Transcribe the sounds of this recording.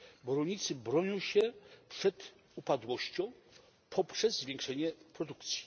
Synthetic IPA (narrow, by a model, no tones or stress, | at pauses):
bɾɔɲit̪sɘbɾɔɲɔ̃w̃ɕɛpʂɛd̪ | upad̪wɔɕt͡ɕɔ̃w̃ | pʰɔpʂɛzːvʲjẽŋkʂɛɲɛpɾɔd̪ukt̪sʲji̥